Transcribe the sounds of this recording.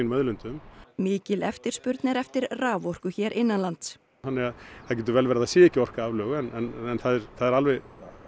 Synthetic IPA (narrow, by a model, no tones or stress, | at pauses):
inmœðlʏnt̪ʏmmɪːcɪlɛft̪ɪɾ̥spʏɾt̪nɛɾɛft̪ɪɾraːvɔr̥kʏçɛːɾʔɪnːanlant̪s | θanːɪɣaðθaðcɛːt̪̬ʏvɛlvɛːɾaðasɛːɛhcːɪɔr̥kaaːvlœːɣɛnɛnɛnθaðɛɾθaðɛɾalvɛɣ